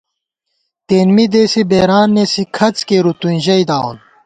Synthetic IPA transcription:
t̪eːnmid̪eːsibeːɾaːnːesikʰɐt͡skeɾut̪uĩnʑɐjd̪aːṵn

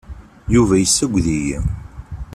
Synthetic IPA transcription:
juvæjəsːæɡʷðijḭ

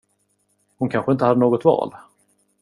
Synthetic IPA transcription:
hʊnkʰanɧəɪnt̪əhad̪ːənoːɡɔt̪vɑ̰ːl

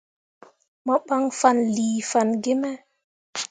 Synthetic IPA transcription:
maɓaŋfanliːfanɡemɛ

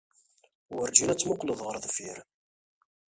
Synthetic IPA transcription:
wəɾd͡ʒilæt͡sːmʊqləðˤʁəɾˤðˤfiɾ

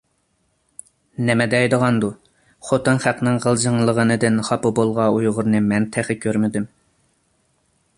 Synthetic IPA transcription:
nɛmɛd̪ɛɛjd̪əʁɑnd̪u | χot̪ɨnχæqnɨŋʁəlˠd͡ʒəŋlˠəʁənɨd̪ɪnχɑpɨbolˠʁɑujʁʊɾnɨmɛnt̪ʰæχɪkʲʰøɾmɪd̪ym

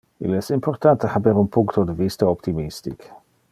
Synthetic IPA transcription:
ḭlɛsɪmpʰɔrt̪ʰant̪ʰəhabɛɾunpʰuŋkt̪ʰɔdəvist̪aɔpt̪ʰimist̪ḭk

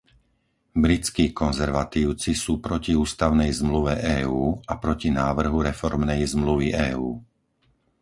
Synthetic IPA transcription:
bɾit͡skiːkɔnzɛɾʋat̪iːʊt͡sisuːpɾɔciuːst̪aʊnɛjzmluʋɛʔɛːuːapɾɔcinaːʋr̩ɦuɾɛfɔɾmnɛjzmluʋiʔɛːuː

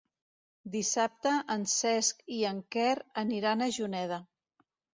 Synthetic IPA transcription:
d̪isap̚t̪əʔːnsɛskiəŋkɛrəniɾanəʒunɛðə

